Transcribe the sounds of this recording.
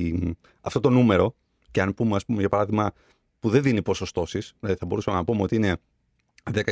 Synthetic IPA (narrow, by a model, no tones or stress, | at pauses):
ɐft̪o̞t̪o̞nume̞ɾo̞ | ceɐnpumeɐspume̞ʝɐpɐɾɐðiɣmɐ | puðe̞nðinipo̞so̞st̪o̞sisilɐðiθɐbo̞ɾusɐmenɐpomeo̞t̪iine̞ | ðekɐ